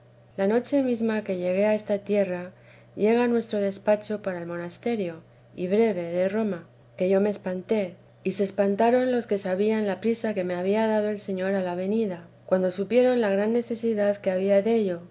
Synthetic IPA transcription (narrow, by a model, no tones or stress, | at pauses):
lano̞t͡ʃe̞mizmake̞ʎe̞ɣ̞e̞aest̪at̪je̞ra | ʝe̞ɣ̞anwe̞st̪ɾo̞ð̞e̞spat͡ʃo̞paɾaelmo̞nast̪e̞ɾjo̞ | iβɾe̞βe̞ðe̞ro̞ma | ke̞ʝo̞me̞ːspant̪e̞ | ise̞ːspant̪aɾo̞nlo̞ske̞saβ̞ianlapɾisake̞me̞aβ̞iaðað̞o̞e̞lse̞ɲo̞ɾalaβ̞e̞niðakwand̪o̞supje̞ɾo̞nlaɣ̞ɾanːe̞θe̞siðaðkeaβiaðe̞ʎo̞